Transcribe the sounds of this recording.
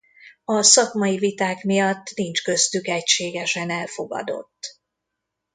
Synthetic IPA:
ɒsɒkmɒivit̪aːkmijɒt̪ːnint͡ʃkø̞zt̪ykɛcʃeːɡɛʃɛnɛlfo̞ɡɒ̰d̪o̞̰t̪ː

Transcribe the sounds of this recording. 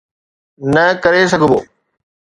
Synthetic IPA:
nɐkɐɾes̬ɐɡʱboː

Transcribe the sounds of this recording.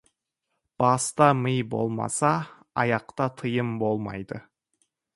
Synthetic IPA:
b̥ɑst̪ɑməjbo̞̰lˠmɑ̰sɑ | ɑjɑqt̪ɑt̪ʰəjəmbo̞lˠmɑ̰jd̪ə

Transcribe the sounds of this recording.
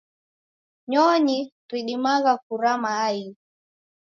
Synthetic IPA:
ɲɔɲitwiɗimaɣakuɾamaːi

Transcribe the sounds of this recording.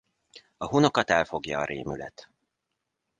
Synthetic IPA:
ɒɦuno̞kɒt̪ɛlfo̞ɡjɒːɾʔeːmylɛ̰t̪

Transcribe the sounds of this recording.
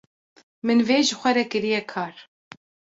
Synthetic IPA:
mɨnveːʒɨxʷɛɾɛkɨɾijɛkʰɑːɾ

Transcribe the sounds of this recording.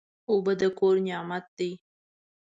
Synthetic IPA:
obəd̪əkoɾnjɑmat̪̚d̪ij

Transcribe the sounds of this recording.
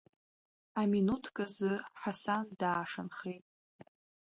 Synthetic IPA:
aminutʰkʼazɨħasandaːʂanχejtʼ

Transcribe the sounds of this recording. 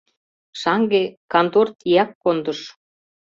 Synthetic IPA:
ʃɑŋɡekɑnt̪ort̪ijɑkːond̪ɤ̆ʃ

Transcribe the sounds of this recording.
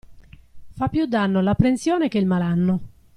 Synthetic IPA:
fapːjud̪ːanːolapːɾensjɔːnekeilmalanːo

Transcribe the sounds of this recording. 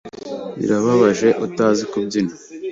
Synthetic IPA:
ḭɾaβaβaʒe̞ʔutaːzikubɟina

